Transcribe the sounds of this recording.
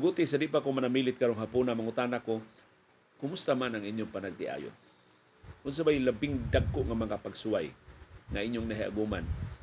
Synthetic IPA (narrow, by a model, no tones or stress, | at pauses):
ɡut̪ɪsadɪʔpakʊŋmanamiːlɪt̪̚kaɾʊŋɦapunamaŋʊt̪aːnako | kʊmʊst̪amanaŋʔiɲjʊŋpanaɡ̚t̪ɪ̰ʔa̰ːjʊ̰n | ʔʊns̬abajlabɪŋd̪aɡ̚kʊʔŋamaŋapaɡsuajŋaiɲjʊŋnaɦiʔa̰ɡuma̰n